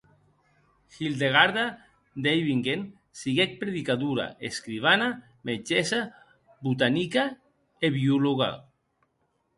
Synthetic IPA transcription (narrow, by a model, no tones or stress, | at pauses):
xild̪eɣ̞aɾða | d̪ejβiŋɡen | siɣek̚pɾeðikaðuɾa̰ḛskɾiβ̞ana | med͡ʒesa | but̪anika | eβiuloɣa̰